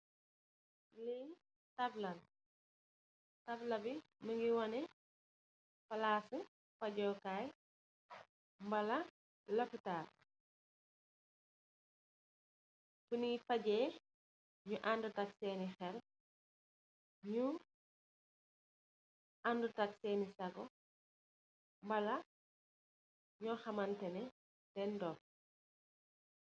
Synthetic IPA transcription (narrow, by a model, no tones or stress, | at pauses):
lɛ | tɐblɐn | tɐblɐbi | mɐŋɡiwɐnɛ | fɐlaːsu | fɐɟɔːkaːj | mbɐlɐ | lɐfitaːr | funifɐɟɛː | ɲuʔandutɐksɛːnixɛl̚ | ɲu | ʔandutɐk̚sɛːnisɐɡɔ | mbɐlɐ | ɲɔːxɐmɐntɛnɛ | d̥ɛndɔk̚